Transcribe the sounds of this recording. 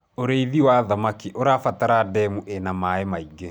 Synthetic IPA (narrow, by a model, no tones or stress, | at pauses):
oɾeiðiwaðamakiʔoɾafataɾadɛmuʔenamaemaiɡe